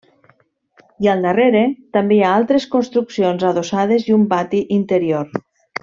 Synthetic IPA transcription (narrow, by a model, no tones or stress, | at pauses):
ialˠnareɾet̪ambeaalˠt̪ɾeskonst̪ɾuksionzaðosað̞ezumbat̪iʔint̪eɾioɾ